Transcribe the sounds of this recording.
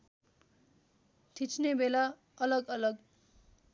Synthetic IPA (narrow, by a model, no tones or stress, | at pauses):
t̪ʰit͡sʰnebela | ʌlʌɡʌlʌɡ